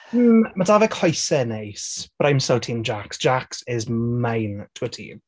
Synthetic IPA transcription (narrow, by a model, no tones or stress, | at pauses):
mədavəkʰhɔjsɛnejsb̥ɾajmsawtʰiːnd͡ʒaksd͡ʒ̥aksɪzmajntʰuətʰḭːn